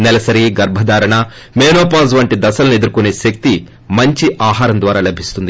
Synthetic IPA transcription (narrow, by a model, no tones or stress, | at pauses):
nɛlɐsɐɾiɡɐɾbʱɐd̪aːɾɐɳɐ | meːnoːp̬aːzʋɐɳʈid̪ɐsɐlɐne̞d̪uɾukune̞ːʃɐk̚t̪i | mɐɲt͡ʃiʔaːɦaːɾɐnd̪ʋaːɾaːlɐbʱist̪und̪i